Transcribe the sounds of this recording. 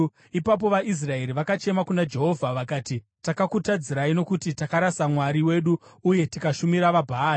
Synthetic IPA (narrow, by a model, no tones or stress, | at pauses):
ipap̬o̞ʋaʔis̬rae̞ɾiʋakat͡ʃe̞makunad͡ʒe̞ɦo̞vʱaʋakaːti | takakutad͡ziɾaino̞kutitakaɾasamwaɾiwe̞ɗuuje̞tikaʃumiɾaʋabʱaːi